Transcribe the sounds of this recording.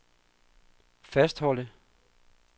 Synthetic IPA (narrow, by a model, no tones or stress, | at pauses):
fæsd̥hɒ̽l̰ə